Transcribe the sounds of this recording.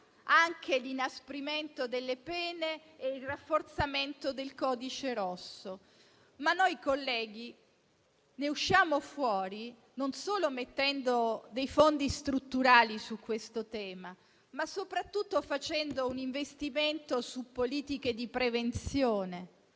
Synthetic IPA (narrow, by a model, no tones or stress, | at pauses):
aŋkʰelinaspɾiment̪od̪elːepɛːneːilrafːort̪sament̪od̪elkɔːd̪it͡ʃeɾɔsːo | manːojkolːɛːɡi | neuʃːjaːmofwɔːɾi | nonsoːlomet̪ːɛnd̪od̪ejfond̪ist̪ɾut̪ːuɾaːlisukːwest̪ot̪ɛːma | masːopɾat̪ːut̪ːofat͡ʃɛnd̪ouniɱvest̪iment̪osupːoliːt̪ik̟ed̪ipɾevent̪sjoːne